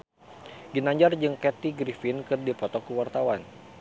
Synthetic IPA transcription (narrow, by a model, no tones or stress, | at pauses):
ɡinaɲd͡ʒard͡ʒɨŋkɛt̪iɡɾifɪnkɨrdipɔt̪ɔkəwart̪awan